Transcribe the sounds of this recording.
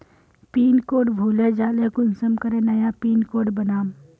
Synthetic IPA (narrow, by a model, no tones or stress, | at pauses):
piːnkoːʈbʱuːled͡ʒaːlekʊnsəmkəɾẽnɐjapiːnkoːɖbənaːm